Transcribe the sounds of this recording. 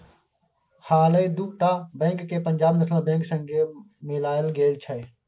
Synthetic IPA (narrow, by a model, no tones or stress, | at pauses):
haːleːd̪uʈaːbẽːŋkːeːpəɲʲd͡ʒaːbnəslãbẽːŋksə̃ŋɡeː | meːlaːɪlɡeːlt͡ʃʰəe